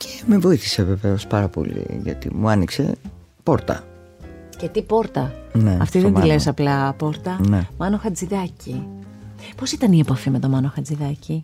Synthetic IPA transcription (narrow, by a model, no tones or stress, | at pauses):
cʰemevo̞iθi̥seve̞ve̞o̞spɐɾɐpo̰lḭʝɐ̰t̪ḭmuɐnikse̞̰ | po̞ɾt̪ɐ̰ | cet̪ipo̞ɾt̪ɐneɐ̰ft̪iðenilesɐplɐpo̞ɾt̪ɐnemɐno̞xɐd͡ziðɐci | po̞sit̪ɐniepɐfime̞t̪o̞mɐnoxɐd͡ziðɐci